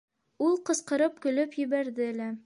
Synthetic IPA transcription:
ulˠqɤ̆sqɤ̆ɾɤp̚kɵ̆lɵpjɵ̆βæɾðɘælæ

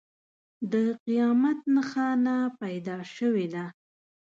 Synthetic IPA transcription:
d̪əqijɑmat̪̚naxɑnapajd̪ɑʃəwed̪a

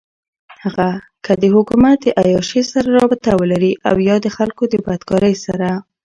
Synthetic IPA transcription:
haɣa | kəd̪əhʊkumat̪̚d̪əʔajɑʃesaɾaɾɑbɪt̪awəlaɾiʔa̰wjɑd̪əxalkod̪əbad̪kɑɾəjsa̰ɾa

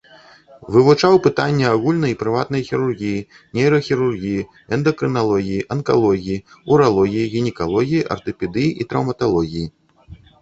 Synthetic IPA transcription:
vɨvut͡ʂawpɨt̪anʲːɛaɣulʲnɐipɾɨvat̪̚nɐjxʲiɾurɣʲiji | nʲɛjɾɐxʲiɾurɣʲiji | ɛnd̪ɐkɾɨnalˠɔɣʲijiʔɐnka̰lˠɔɣʲijiuɾalˠɔɣʲijiɣʲinʲɛkalˠɔɣʲijiʔɐ̰rt̪ɨpʲɛd̪ɨjiʔit̪ɾɐwmɐt̪alˠɔɣʲiji

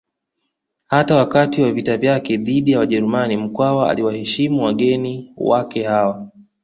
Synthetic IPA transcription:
hatawakatiwavitavjakɛðiɗijawaʄɛɾumanim̩kwawaa̰liwahɛʃimuwaɠɛniwakɛhawa

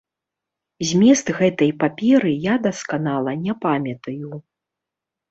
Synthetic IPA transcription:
zʲmʲɛst̪ɣɛt̪ɐjpapʲɛɾɨjad̪ɐskanalˠɐnʲɛpamʲɐt̪ɐju

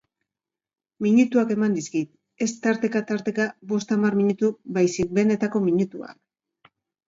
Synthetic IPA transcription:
miɲut̪uake̞mand̪iskit̪ | e̞st̪aɾt̪e̞kat̪aɾt̪e̞kabo̞st̪amarmiɲut̪ubajsik̚be̞ne̞t̪ako̞miɲut̪ua̰k

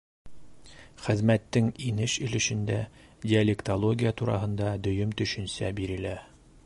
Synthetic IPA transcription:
χɘ̆ðmæt̪ːɘŋinɘʃɘ̆lɘ̆ʃɘ̆nd̪ædʲɪɐlʲekt̪olˠoɡʲijat̪uɾɑ̰ɦɤ̆nd̪ɑd̪ɵ̆jɵmt̪ɵ̆ʃɵ̆nsæ̰biɾɘ̆læ

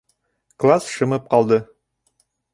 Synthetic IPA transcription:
klˠasʃɤ̆mɤp̚qɑlˠd̪ɤ

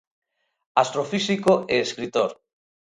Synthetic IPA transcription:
ast̪ɾofisikoeeskɾit̪oɾ

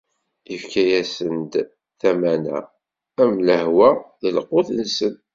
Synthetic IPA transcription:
ifkæjæsənd̪ | θæmænæ̰ː | mləhwæðəlqoθlsən

